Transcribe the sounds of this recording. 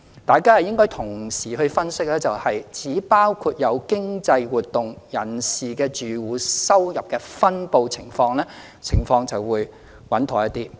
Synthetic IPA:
t̪aː˨jkaː˥hɐ˨˩jɪ˥ŋkɔː˥jt̪ʰʊ˨˩ŋsiː˨˩hɵ˧ɥfɐ˥nsɪ˥k̚lɛː˥t͡sɐ˨whɐ˨jt͡siː˨˥paː˥wkʰuː˧t̚jɐ˨˧wkɪ˥ŋt͡sɐ˧jwuː˨t̪̚ʊ˨ŋjɐ˨˩nsiː˨kɛː˧t͡ʃyː˨wuː˨sɐ˥wjɐ˨p̚kɛː˧fɐ˥npo˧wt͡sʰɪ̰˨˩ŋfɔː˧ŋlɛː˥ | t͡sʰɪ˨˩ŋfɔː˧ŋt͡sɐ˨wwuː˨˧j | wɐ˨˥nt̪ʰɔː˨˩jɐ˦˥t̪iː˥

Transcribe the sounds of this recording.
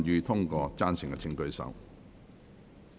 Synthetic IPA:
njyː˧t̪ʰʊ˥ŋkɔː˧t͡saː˥nsɪ˨˩ŋkɛ˧t͡sʰɪ˧ŋkɵ˧ɥsɐ̰˨w

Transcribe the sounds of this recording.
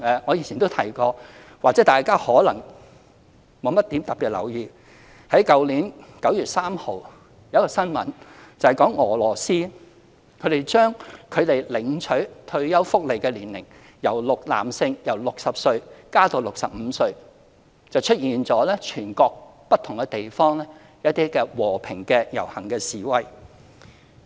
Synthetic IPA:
ʔɛː˨˩ŋɔː˨˧ji˨˩nʰt͡ɕʰi˨nt̪o˥wt̪ʰɐ˨˩jkɔː˧ | waː˨k̚t͡sɛ˨˦˥t̪aː˨jkaː˥hɔː˨˥lɐ̰˨˩ŋ | mo˨˧wmɐ˥t̪ːiː˨˥mt̪ɐ˨k̚piː˨t̚lɐ̰˨˩wjiː˨˧ | hɐ˨˥jkɐ˨wliː˨˥nkɐ˨˥wjyː˨t̚saː˥mho˨˧w | jɐ˨˧˥kɔː˧sɐ˥nmɐ̰˨˥nt͡sɐ˨hɐ˨jkɔː˨˥ŋɔː˨˩lɔː˨˩siː˥ | kʰɵ˨˧ɥɾe˨˩jt͡ʃœː˥ŋkʰɵ˨˧t̪e˨jlɪ˨ŋt͡ʃʰɵ˨˥ɥt̪ʰɵ˧ɥjɐ˥wfʊ˥k̚le˨˩jkɛː˧liː˨˩nlɪ̰˨˩ŋ | jɐ˨˩wlʊ˨k̚la̰ː˨msɪ˧ŋjɐ˨˩wlʊ˨k̚sɐ˨p̚sɵ˧ɥkaː˥t̪o˨˧wlʊ˨k̚sɐ˨p̚m̩˨˧sɵ˧ɥ | t͡sɐ˨wt͡ʃʰɵ˥t̚jiː˨nt͡sɔː˨˥lɛː˥t͡ʃʰyː˨˩nkɔː˧k̚pɐ˥t̪ʰʊ˨˩ŋkɛ˧t̪e˨jfɔː˥ŋlɛː˥ | jɐ˥t̚t̪iː˥kɛː˧wɔː˨˩pʰɪ˨˩ŋkɛː˧jɐ˨˩whɐ˨˩ŋkɛː˧siː˨wɐ˧j

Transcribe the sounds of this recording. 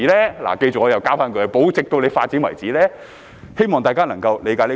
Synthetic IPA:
lɛː˥la̰ː˨˩ke˧jt͡sɪ˨k̚ŋɔː˨˧jɐ˨˩wkaː˧˥faː˧nkʰɵ˨˧˨po˨˥wt͡sɪ˨k̚t̪o˧wle˨˧jfaː˧t̚t͡siː˨˥nwɐ̰˨˩jt͡siː˨˥lɛː˥ | he˥jmɔː˨ŋt̪aː˨kaː˥nɐ˨˩ŋkɐ˧wle˨˧jkaː˨˥jli˥

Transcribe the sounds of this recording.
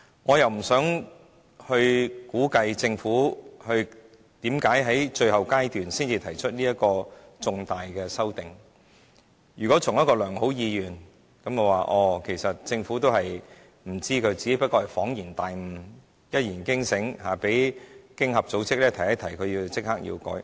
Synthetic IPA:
ŋɔː˨˧jɐ˨wm̩˨˩sœː˨˥ŋ | hɵ˧ɥkuː˨˥kɐ˧jt͡sɪ˧ŋfuː˨˥hɵ˧ɥ | t̪iː˨˥mkaː˨˥jɦɐ˨˥jt͡ʃɵ˧ɥɦɐ˨˩wkaː˥jt̪yː˨nsiː˥nt͡siː˧t̪ʰɐ˨˩jt͡ʃʰɵ˥t̚liː˥jɐ˥t̚kɔː˧t͡sʊ˧ŋt̪aː˨jkɛː˧sɐ˥wt̪ɪ˨˩ŋ | jyː˨˩kɔ˨˥t͡sʰʊ˨˩ŋjɐ˥tkɔː˧lœː˨˩ŋho˨˥wjiː˨˧jyː˨˩n | kɐ˨˥mko˨˧waː˨˩ʔɔː˧˩kʰe˨˩jsɐ˨t̚t͡sɪ˧ŋfuː˨˥t̪o˥whɐ˨j | m̩˨˩t͡siː˥kʰɵ˨˧ɥt͡siː˨ke˥pɐ˥t̚kɔː˧hɐ˨˩jfɔː˨˥ŋjiː˨˩nt̪aː˨jm̩˨˩ | jɐ˥t̚jiː˨˩nkɪ˥ŋsɪ˨˥ŋhaː˨˩pe˨˥jkɪ˥ŋɦɐ˨p̚t͡so˨˥wt͡sɪ˥k̚lɛː˥t̪ʰɐ˨˩jɐ˥t̪ʰɐ˨˩jkʰɵ˨˧ɥjiː˧wt͡sɪ˥k̚haː˥k̚jḭː˧wkɔ̰ː˨˥j

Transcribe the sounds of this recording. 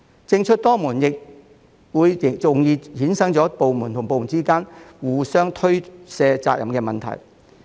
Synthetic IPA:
t͡sɪ˧ŋt͡ʃʰɵ˥t̚t̪ɔː˥muː˨˩njɪ˨k̚ | wuː˨˧jɪ˨t͡sʊ˨ŋjiː˧hiː˨˥nsɐ˥ŋt͡sɔː˨˥po˨wmuː˨˩nt̪ʰʊ˨˩ŋpo˨wmuː˨˩nt͡siː˥kaː˥nwuː˨˩sœː˥ŋt̪ʰɵ˥ɥsɛː˧t͡sa̰ː˧k̚jʔɐ˨˩mkɛː˧mɐ˨nt̪ʰɐ̰˨˩j

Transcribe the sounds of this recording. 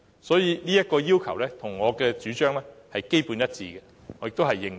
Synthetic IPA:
sɔː˨˥jiː˨˧niː˥jɐ˥t̚kɔː˧jiː˥wkʰɐ˨˩wlɛː˦˥t̪ʰʊ˨˩ŋŋɔː˨˧kɛː˧t͡ʃyː˨˥t͡ʃœː˥ŋlɛː˥hɐ˨jke˥jpuː˨˧njɐ˥t̚t͡siː˧ɡɛ˧ | ŋɔː˨˧jɪ˨k̚t̪o˥hɐ˨jːɪ˨ŋ

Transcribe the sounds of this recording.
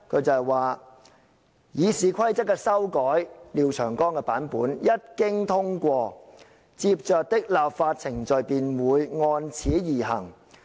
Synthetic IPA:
kʰɵ˨˧t͡sɐ˨˩jwaː˨ | jiː˨˧siː˨˧kʰɐ˥jt͡sɐ˥kːɛː˧sɐ˥wkɔː˨˥jliː˨˧wt͡ʃʰœː˨˩ŋkɔː˥ŋkɛː˧paː˨˥npuː˨˥njɐ˥t̚kɪ˥ŋt̪ʰʊ˥ŋkʷɔː˧ | t͡siː˧p̚t͡ʃœː˨˧k̚t̪ɪ˥k̚laː˨p̚faː˧t̚t͡sʰɪ˨˩ŋt͡sɵ˨ɥpiː˨˩nwuː˨˧jŋɔː˧nt͡sʰiː˨˥jiː˨˩ɦɐ˨˩ŋ

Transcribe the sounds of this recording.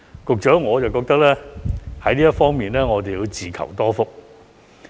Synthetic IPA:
kʊ˨k̚t͡ʃœː˨˥ŋɔː˨˧t͡sɐ˨wkɔː˧k̚t̪ɐ˥k̚lɛː˥hɐ˨˥jliː˥jɐ˥t̚fɔː˥ŋmiː˨nlɛː˥ŋɔː˨˧t̪e˨jiː˨˧wt͡siː˨kʰɐ̰˨˩wt̪ɔː˥fʊ˥k̚

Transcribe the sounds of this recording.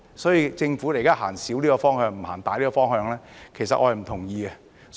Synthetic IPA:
sɔː˨˥jiː˧t͡sɪ˧ŋfuː˨˥le˨˩jkaː˥ɦaː˨˩ŋsiː˨˥wliː˥kɔː˧fɔː˥ŋhœː˧ŋm̩˨˩haː˨˩nt̪aː˨˥liː˥ɔː˧fɔː˥ŋhœː˧ŋlɛː˥kʰe˨˩sɐ˨ʔɔ̰ː˧hɐ˨jm̩˨˩t̪ʰʊ˨˩ŋjiː˧ɡɛ˧

